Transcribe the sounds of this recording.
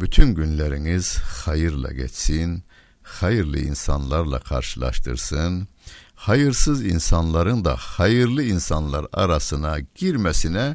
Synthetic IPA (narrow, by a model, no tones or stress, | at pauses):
b̥yt̪ʰynɟynlæɾiŋiz̥χɑjɯɾlˠɑ̰ɟɛ̰t͡ʃsin | χɑjɯɾlˠɯ̰ḭnsɑnlˠɑɾlˠɑ̰kʰɑ̰ɾʃɯlˠɑ̰ɾʃt̪ɯ̰ɾsɯn | hɑjɯɾsɯzinsɑnlˠɑɾɯnd̪ɑ̰χɑjɯɾlˠɯinsɑnlˠɑɾɑ̰ɾɑsɯnɑɟ̥iɾmæsinɛ